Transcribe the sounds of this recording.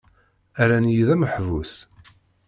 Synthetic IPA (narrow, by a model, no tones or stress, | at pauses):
æɾænjiðæməħvus